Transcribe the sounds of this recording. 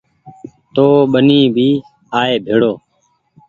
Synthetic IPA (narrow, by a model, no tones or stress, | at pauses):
t̪oːɓəniːbʱiː | aːeːbʱeːɽoː